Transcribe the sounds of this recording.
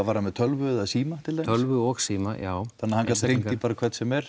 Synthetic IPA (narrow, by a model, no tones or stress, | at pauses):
avaɾanmɛðt̪ʰœlvʏðaðsiːmat̪ʰɪlɛːœlvʏɔɣsiːmajaːwθanːahaŋkat̪ɾeŋipaːɾakʰvɛt̪sɛmɛɾ̥